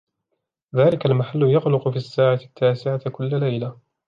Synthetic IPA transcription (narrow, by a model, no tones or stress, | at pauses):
ðaːlɪkalmaħalːʊjɑqlʊqʊfiasːaːʕat̪ʰːaːsɪʕat̪kʊlːalajla